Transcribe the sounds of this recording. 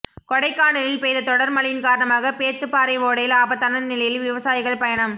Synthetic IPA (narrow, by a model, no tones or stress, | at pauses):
kɔɽɐɪkːaːɳɐlɪlpeːðɐt̪ːɔɽɐɾmɐlɐjɪnkaːɾɐɳɐmaːɣɐpeːt̪ːɯpːaːɾɐɪʋoːɽɐjɪlaːbɐt̪ːɐnɐnnɪlɐjɪlʋɪʋɐsaːjɪɣɐɭpɐjɐɳɐm